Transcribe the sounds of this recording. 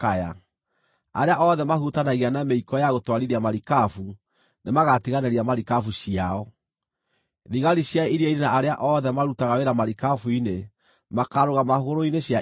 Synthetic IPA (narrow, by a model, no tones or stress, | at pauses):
aja̰ | aɾeaʔɔðɛmahutanaɣianameikɔjaɣotwaɾiɾiamaɾikafu | nemaɣatiɣanɛɾiamaɾikafuɕiaɔ | ðiɣaɾiɕjaiɾaiɾenaːɾeaʔɔðɛmaɾutaɣaweɾamaɾikafuine | makaɾoɣamahɣoɾoineɕja